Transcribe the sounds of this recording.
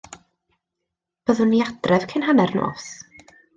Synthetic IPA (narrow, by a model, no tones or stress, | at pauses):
b̥əðʊnːiad̥rɛv̥kʰɪnɦanɛrno̰ːs